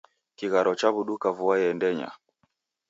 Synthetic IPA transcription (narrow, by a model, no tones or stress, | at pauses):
kiɣaɾɔt͡ʃaβuɗukavuajɛndɛɲa̰